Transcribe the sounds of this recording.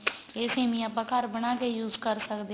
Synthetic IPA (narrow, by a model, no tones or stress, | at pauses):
esẽːmĩãpəkaːɾbənaːkejuːzkəɾsəkd̪e